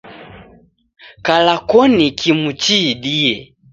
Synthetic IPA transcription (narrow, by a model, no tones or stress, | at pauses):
kalakɔnikʰimut͡ʃiɗiɛ